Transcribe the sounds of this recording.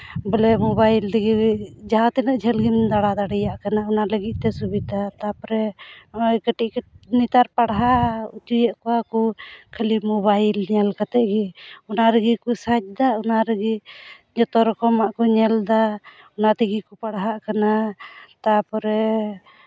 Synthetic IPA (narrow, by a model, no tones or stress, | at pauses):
bɔlɛmɔbajlt̪iɡid͡ʒaɦãt̪ɛnəʔd͡ʒʱɛlɡimd̪aɽad̪aɽɛjaʔkanaɔnaləɡit̪̚ˀt̪ɛsubid̪at̪apɔɾɛɔjkəʈiʔknit̪aɾpaɽɦaut͡ʃujɛʔkɔwakɔkʰəlimɔβajlɲɛlkat̪ɛʔɡiɔnaɾəɡikusac̚d̪aɔnaɾəɡi | ɲɔt̪ɔɾɔkɔmaʔkɔɲɛld̪a | ɔnat̪iɡikɔpaɽɦaʔkanat̪apɔɾɛ